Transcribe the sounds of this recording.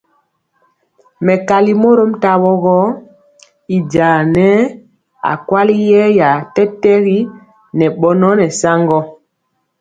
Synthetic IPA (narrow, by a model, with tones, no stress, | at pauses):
mɛ˨ka˨li˦mo˦ɾo˦mta˦wɔ˦ɣɔ˦ | i˨d͡ʒa˨nɛ˦ | a̰˨kwa˦li˦jɛ˦ja˨tɛ˦tɛ˦ɣi˦ | nɛ˨ɓɔ˦nɔ˦nɛ˨sa˦ŋɡɔ˦